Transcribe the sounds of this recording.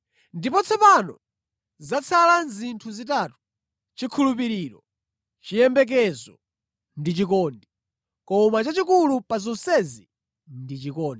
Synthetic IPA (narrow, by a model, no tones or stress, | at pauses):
ndipɔt͡sʰɛpanɔ | zat͡sʰalanzintʰuzitaːtu̥ | t͡ʃikʰulupiɾiːɾɔ | t͡ʃijɛmbɛk̬ɛzɔ | ndit͡ʃikɔːndi | kɔmat͡ʃat͡ʃikulupazɔnsɛzi | ndit͡ʃikɔːndɛ